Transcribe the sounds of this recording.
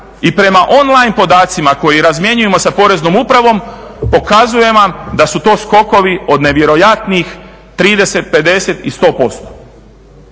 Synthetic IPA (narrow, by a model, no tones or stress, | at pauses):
ipɾe̞maʔo̞nlˠajnpo̞d̪aːt̪simako̞jiɾazmje̞ɲuje̞mo̞sapo̞ɾe̞zno̞mupɾaʋo̞m | po̞kazuje̞ʋamd̪asut̪o̞ːsko̞ko̞ʋio̞d̪ne̞ʋje̞ɾo̞jat̪niix | t̪ɾiːd̪e̞se̞t̪̚pe̞d̪e̞se̞t̪ist̪o̞ːpo̞st̪o̥